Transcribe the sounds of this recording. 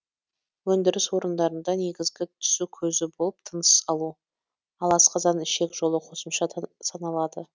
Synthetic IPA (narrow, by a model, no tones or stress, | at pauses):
wɵnd̪ɪɾɪswo̞ɾənd̪ɑɾənd̪ɑne̞ɡʲɪzɡʲɪt̪ʰʏ̥sukʲʰɵzɪbo̞lˠəp̚t̪ʰənəsəsɑlˠu | ɑlˠɑsqɑzɑnɪʃe̞kʒo̞lˠəqʰo̞səmʃɑsɑnɑlˠɑd̪ə